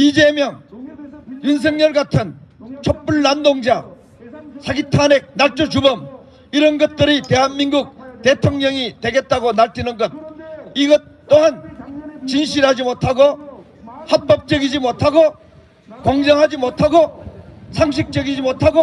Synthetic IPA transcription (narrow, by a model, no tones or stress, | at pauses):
id͡ʑe̞mjʌŋ | juns̬ʰe̞ŋɲʌɭɡatʰɯn | t͡ɕʰʌp͈uɭːandoŋd͡ʑa | sʰaɡitʰanek̚naɭt͡ɕ͈ot͡ɕubʌm | iɾʌnɡʌt̚t͈ɯɾite̞ɦanminɡuk̚tetʰoŋɲʌŋitwe̞ɡe̞t̚t͈aɡonaɭtʰinɯnɡʌt̚iɡʌt | t͈ːoɦant͡ɕinɕʰiɾɦad͡ʑimotʰaɡo | hat̚p͈ʌp̚t͡ɕ͈ʌɡid͡ʑimotʰaɡo | kʌŋd͡ʑʌŋɦad͡ʑimotʰaɡosʰaŋɕ̬ʰik̚t͡ɕ͈ʌɡid͡ʑimotʰaɡo